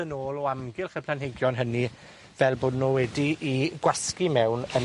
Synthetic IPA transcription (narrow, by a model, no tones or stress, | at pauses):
ənoːlˠɔamɡɪlˠχəpʰlanɦeɡjɔnɦəni | vɛlˠboːdnɔwɛdiʔiɡ̥waskimɛwnən